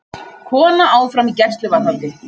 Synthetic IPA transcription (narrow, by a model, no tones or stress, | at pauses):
kʰɔːnaaːwfɾamicɛ̥st̪lʏvanawt̪ɪ